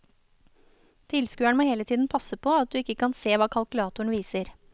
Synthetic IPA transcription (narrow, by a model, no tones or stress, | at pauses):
t̪ʰɪlskʉːæɳmoːheːlət̪ʰiːd̪n̩pʰɑsəpʰoːɑt̪̚d̪ʉːɪkːəkʰɑnseːʋɑːkʰɑlkʉlɑːt̪ʊɳ̩ʋiːsəɾ